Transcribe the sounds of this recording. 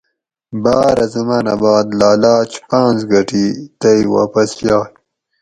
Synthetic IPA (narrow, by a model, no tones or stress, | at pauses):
baːɾɐzɐmaːna̰baːd̪laːlɑːt͡ʃpãːnzɡɐʈit̪ajwa̰ːpɐsjaːj